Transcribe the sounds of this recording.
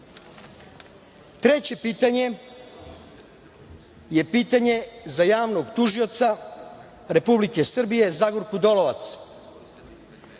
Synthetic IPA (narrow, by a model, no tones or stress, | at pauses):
t̪ɾe̞t͡ɕe̞piːt̪aɲe̞ | je̞piːt̪aɲe̞zajaːʋnoɡt̪uʒio̞t̪sa | ɾe̞publike̞sr̩bije̞zaɡoɾkud̪o̞loʋat̪s